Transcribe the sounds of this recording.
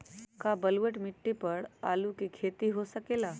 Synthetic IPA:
kabəlʋəʈmɪʈːipəɽa̰ːlukikʰeːt̪iɦosəkelaː

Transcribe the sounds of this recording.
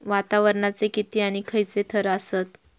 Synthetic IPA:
ʋat̪aʋəɾɳat͡sekit̪iːaɽ̃ikʰəjt͡set̪ʰəɾəəsət̪

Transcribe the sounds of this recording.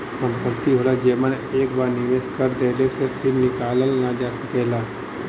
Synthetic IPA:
sə̃mpəɾt̪iɦoːlad͡ʒeːmən | eːkbaːɾnɪʋeːskəɾd̪eːlesepʰɪɾnɪkaːləlnad͡ʒaːsɐkɛːlaː

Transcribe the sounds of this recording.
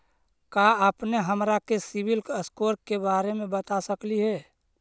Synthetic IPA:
kaəpneɦəmɾakesɪbɪlkəskoːɾkːebaːɾemẽbət̪asəkliɦɛː

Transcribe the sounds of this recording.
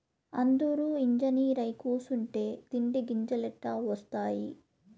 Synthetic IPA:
ɐnd̪uɾuiɲd͡ʒɐniːɾɐjkuːsuɳʈe̞ːt̪iɳɖiɡiɲd͡ʒɐlɛʈːaːʋɐst̪aːji

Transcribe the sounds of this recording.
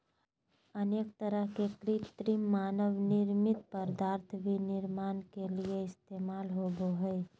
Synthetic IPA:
əneːkt̪əɾəɦkekɾit̪ɾimːaːnəʋnɪɾmɪt̪̚pəɾd̪aːɾt̪ʰbʱinɪɾmaːnkelieɪst̪eːmaːlɦoːɡoɦəe

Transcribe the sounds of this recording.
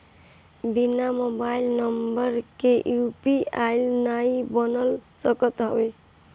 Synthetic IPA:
binamobailnəmbəɾkeʔjupiailnaibənəlsəkət̪ɦə̰be

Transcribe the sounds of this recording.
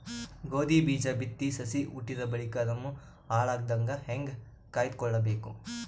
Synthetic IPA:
ɡoːd̪ibiːd͡ʒɐbit̪ːisɐsiʔṵʈːiɾɐbɐɭikaːɾɐmːu | aːɭaːɡ̚d̪ɐŋɡɐheŋɡ | kaːjid̪̚kɔɭːɐbeːku

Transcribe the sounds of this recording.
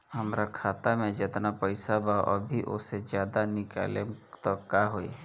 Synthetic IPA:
həmɾakʰaːt̪amẽd͡ʒɪt̪napəɪsaba̰ʔɐbʱiʔʊ̰sed͡ʒjaːd̪anɪka̰ːlet̪ɔkaɦoḭ

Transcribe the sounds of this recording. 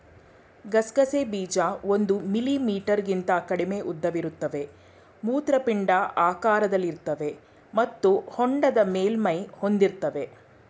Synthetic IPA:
ɡɐsɡɐseːbiːd͡ʒaːo̞nd̪umilimiːʈɐɾɡint̪ɐkɐɽime̞ʔud̪ːɐʋiɾut̪ːɐʋe̞ | muːt̪ɾɐpiɳɖɐʔaːkaːɾɐd̪ɐlːiɾt̪ɐʋe̞ | mɐt̪ːuhoɳɖɐd̪ɐmeːlmɐjho̞nd̪iɾt̪ːɐʋe̞

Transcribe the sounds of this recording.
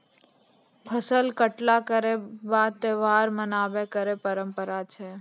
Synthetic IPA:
pʰəsəlkəʈlakəɾebat̪eʋaɾmənaʋekəɾepəɾəmpəɾat͡ʃʰe

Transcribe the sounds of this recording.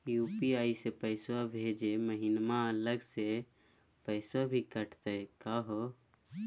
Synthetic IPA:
jupiaːisepəɪswabʱed͡ʒeməɦinmaələɡse | pəɪsabʱikəʈʰt̪ekaɦo

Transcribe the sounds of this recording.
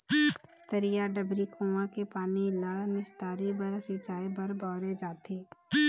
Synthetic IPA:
t̪əɾijaɖəbɾikʰõːãkepaːnilaːnɪst̪aːɾibɐɾsit͡ʃaːibɐɾbɔːɾed͡ʒaːt̪iː

